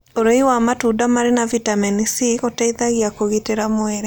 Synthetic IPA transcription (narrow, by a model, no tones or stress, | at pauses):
oɾoiwamatudamaɾenavitaminisiɣotaiðaɣiakoɣiteɾamoeɾɛ